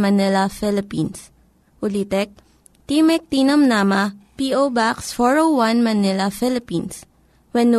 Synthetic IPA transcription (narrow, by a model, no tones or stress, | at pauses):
mɐnɪlɐfɪlɪpins | ʊlit̪ɛk̚ | t̪imɛk̚t̪inɐmnamɐpiʔobaksfɔɹowwanmɐnɪlɐfɪlɪpĩns | wɛnːu